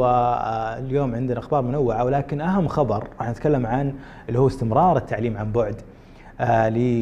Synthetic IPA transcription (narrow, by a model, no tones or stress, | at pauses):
a | ljoːmʕɪnd̪naʔaxbɑːɾˤmʊnawːɪʕawlaːkɪnʔaɦamːxɑbɑɾˤɾˤɑːħnɪt̪kalːamʕan | ɪlːihuːɪst̪ɪmɾˤɑːɾˤɪt̪ʰːaʕliːmʕanbʊʕd̪ | lɪ